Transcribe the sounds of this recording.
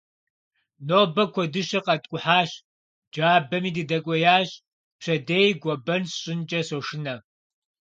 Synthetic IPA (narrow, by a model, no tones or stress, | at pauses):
noːbɐkʷʰɔdɨʃɐqɐtʼkʷʼʊħaːɕ | d͡ʒaːbɐmiːdɨdɐkʷʼɔjaːɕ | pɕɐdeːjɡʷɔbɐnɕʼɪnt͡ʃʼɐsoʂɪnɐ